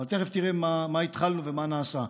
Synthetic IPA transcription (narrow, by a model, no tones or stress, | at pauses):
alt̪eχeft̪iʁemamait̪χalnuvemanaːsa